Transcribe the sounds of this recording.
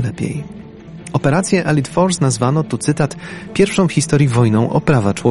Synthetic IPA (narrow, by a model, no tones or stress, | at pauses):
lɛpʲjɛ̰j | ɔpɛɾat̪sʲjɛʔɛlʲit̪fɔɾsnazvanɔt̪ut̪sɘt̪at̪pʲjɛɾfʂɔ̃w̃xʲist̪ɔɾʲjivɔjnɔ̃w̃ʔɔ̰pɾavat͡ʂwɔ